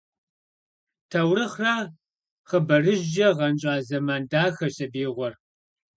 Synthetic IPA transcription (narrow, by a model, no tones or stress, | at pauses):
tʰɐwrɨχraː | χəbɐrɨʑːɐʁɐnɕʼɑːzɐmaːndaːxɐɕʼɐbiːʁʷɔr